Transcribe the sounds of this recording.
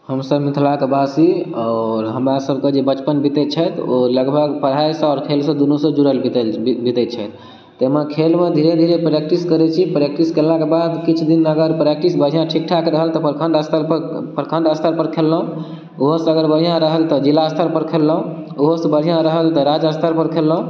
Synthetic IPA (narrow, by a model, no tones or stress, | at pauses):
həmsəbmit̪ʰlakebasiɔɾɦəmɾasəbʱked͡ʒebət͡ʃpənbit̪ɛt͡ʃʰət̪oləɡbʱəɡpəɽ̤ɦajsə̃ɔːɾkʰelsə̃d̪unusə̃d͡ʒuɾəlbit̪bit̪ɛt͡ʃʰɛt̪ː | emekʰelmed̪ʱiɾed̪ʱiɾepɾek̚ʈiskəɾɛt͡ʃʰipɾek̚ʈiskellakebad̪kit͡ʃʰd̪inəɡəɾpɾek̚ʈisbəd͡ʒʱijãʈʰik̚ʈʰakɾəɦəlt̪ɔpəɾkʰəɳɖəst̪əɾpəɾpəɾkʰə̃ɳɖəst̪ʰəɾpəɾkʰelːəɦũ | uɦosəɡəɾbəd͡ʒʱijãɾəɦəlt̪ɔd͡ʒilaəst̪ʰəɾpəɾkʰelːəɦũ | uɦosə̃bəd͡ʒʱijãɾəɦəlt̪ɔɾad͡ʒəst̪ʰəɾpəɾkʰelːɦũ